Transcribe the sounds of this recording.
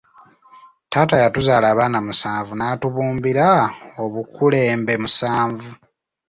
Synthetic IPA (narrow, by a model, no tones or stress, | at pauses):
taːtajatuzaːlaːβaːnamusaːɱvunaːtuβuːmbiɾaoβukule̞ːmbe̞musaːɱvu